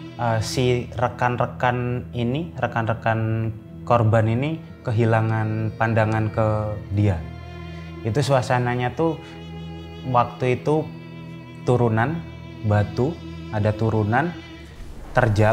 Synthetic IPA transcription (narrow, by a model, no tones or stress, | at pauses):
ʔəsirəkanrəkaninirəkanrəkan | korbanini | kəɦilaŋanpandaŋankədia | ɡit̪usəwasanaɲat̪u | wak̚t̪uit̪u | t̪uɾunan | bat̪u | adat̪uɾunan | t̪ərd͡ʒa